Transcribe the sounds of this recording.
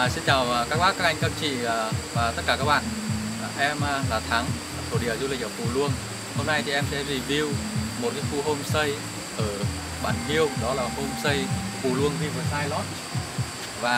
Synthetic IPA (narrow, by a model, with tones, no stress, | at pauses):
si˧nt͡ɕaː˨˩wkaː˦˥k̚ɓaː˦˥kːaː˦˥ʔa˧jŋ̟kə˧mt͡ɕḭ˧˨˩vaː˨˩t̪ə˦˥t̚kaː˧˩kaː˦˥k̚ɓa̰ː˧˨n˨˩ʔɛ˧m˧laː˨˩t̪ʰa˨˦ŋ˩ | t̪ʰo˧˩ɗi˧˩əwzu˧lï˨˩ʔəː˧˩fu˧˩lwu˧əŋ | ho˧mna˧jt̪ʰi˨˩ʔɛ˧msɛ̰˧˥zi˨˩vi˧wmo˨˩kaː˨˦jxu˧ɦo˧msə˧j | ʔəː˧˩ | ɓa̰ː˧˩nhi˧əwŋ͡mɗɔ˨˦laː˨˩ho˧msə˧jfu˨˩lwɨ˧əŋvi˧vəː˨˩saː˧jlɔ˦˥t̚ | vaː˨˩